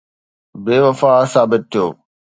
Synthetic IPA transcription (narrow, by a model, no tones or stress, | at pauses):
beːʋɐfaːsaːbɪt̪̚tʰːijo̰ː